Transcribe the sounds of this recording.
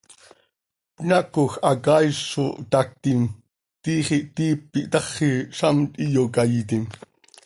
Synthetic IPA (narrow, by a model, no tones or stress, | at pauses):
pnakoxakajʂot̪ak̚t̪im | t̪iːχiʔt̪iːp̚ːiʔt̪ɑχːiʃamt̪ʼijokajit̪im